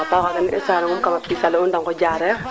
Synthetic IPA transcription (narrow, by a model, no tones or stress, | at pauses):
ɔtakakɛnʔɪ̰saɾɪŋʊnkamapisalɛʊndaŋkɔd͡ʒaːɾɛ